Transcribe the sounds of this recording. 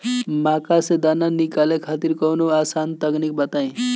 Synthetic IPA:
mãkased̪ananikalekʰat̪iɾkəwnoasant̪əknik̚bət̪aẽ

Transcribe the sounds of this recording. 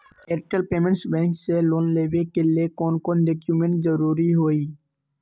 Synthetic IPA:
eːɾʈəlpeːmẽɳʈsbɛ̃ːŋkseloːnleːʋekeliekɔːnkɔːnɖekjumẽɳʈzəɾuːɾiɦoːiː

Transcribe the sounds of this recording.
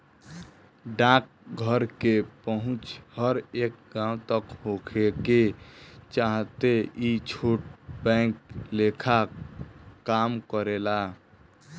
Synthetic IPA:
ɖãk̚ | ɡʱəɾkepəɦʊ̃t͡ʃhəɾek̚ɡãũt̪əkɦokʰeket͡ʃaɦt̪eit͡ʃʰoʈ̚bɛ̃klekʰa | kamkəɾela

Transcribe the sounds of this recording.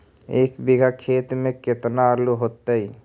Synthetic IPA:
ekbiɡʱakʰet̪meket̪naəɾluɦot̪ːəj

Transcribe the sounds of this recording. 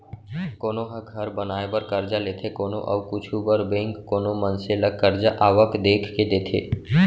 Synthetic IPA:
koːnoɦəɡʱəɾbənaːebəɾkəɾd͡ʒaleːt̪ʰekoːno̰ʔɐ̰kʊt͡ʃʰubəɾbẽːŋkːoːnomə̃nseləkkəɾd͡ʒaʔaːʋəkd̪eːkʰked̪eːt̪ʰḛː

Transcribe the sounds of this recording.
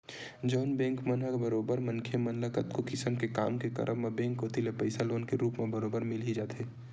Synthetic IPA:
d͡ʒɔːnbɛ̃ːŋkmənɦəkbəɾoːbəɾmənkʰemɐnləkət̪kokɪsəmkeka̰ːmkekə̰ɾʔəmːẽbẽːŋkɦoːt̪ilepəɪsaloːnkeɾuːpmẽbəɾoːbəɾmɪlɦid͡ʒaːt̪ɦeː

